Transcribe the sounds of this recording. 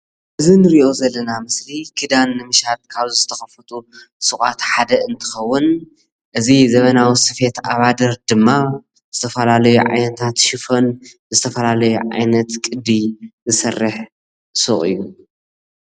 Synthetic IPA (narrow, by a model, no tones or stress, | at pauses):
ʔɨzinɨɾiʔo̞zɐlːɐnamɨslikʰɨd̪anːɨmɨʃat̪̚kʰaβzzɨ̥t̪ʰɐxɐfɨt̪ʰu | sɨxʼat̪ħad̪ɐɨnt̪ʰɨ̥xɐwːʊn | ʔɨzizɐβɐnawisɨfe̞t̪aβad̪ɐɾd̪ɨmːa | zɨt̪ʰɐfɐlalɐjuʕa̰jnɐt̪ʰat̪ʃɪfon | zɨt̪ʰɐfɐlalɐjuʕa̰jnɐt̪kʼɨd̪izɨsɐrːɨħ | sɨ̰χʼɨ̰jːu